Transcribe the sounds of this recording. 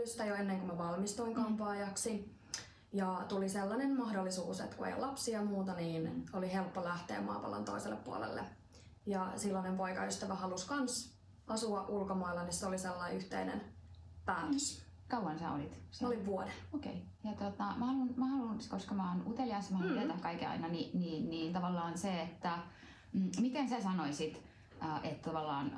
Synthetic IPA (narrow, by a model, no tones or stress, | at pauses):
yst̪æjoenːeŋkømæʋɑlmist̪uiŋkɑmpɑːjɑksi | jɑt̪uliselːɑnemmɑhdolːisuːsḛt̪kuḛjo̰lɑpsiɑmuːt̪ɑniːnolihelpːolæht̪ḛːmɑ̰ːpɑ̰lɑ̰nt̪o̰iselːeppuo̰lḛlːḛ | jɑsilːɑnempoikɑ̰yst̪æʋæhɑluskɑns | ɑsuɑʔʔulkomɑilːɑnisseoliselːɑiyht̪ḛinḛnpæːt̪øs | kɑuwɑnsæ̰o̰lit̪seoliʋʋuodeokḛi | jɑt̪ot̪ɑmæhɑlunmæhɑlunskoskɑmɑːnut̪eliɑisːmæhɑɑuet̪ækkɑikeɑ̰inɑniniːnniːnt̪ɑʋɑlːɑːnseet̪ːæ | mit̪ensæsɑnoisit̪ | əːʔet̪t̪ɑʋɑlːɑːn